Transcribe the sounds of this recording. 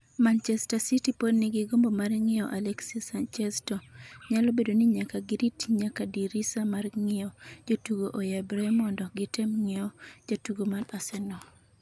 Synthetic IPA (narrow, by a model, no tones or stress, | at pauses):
mant͡ʃɛstasitipodnɪɡɪɡombomarŋɪɔʔalɛksisant͡ʃɛstɔɲalɔbedonɪɲakaɡɪɾitɲakadiɾisamarŋɪɔd͡ʒotuɡoʔojɛbɾɛmɔndɔɡɪtɛmŋɪɔd͡ʒotuɡomadasɛnɔ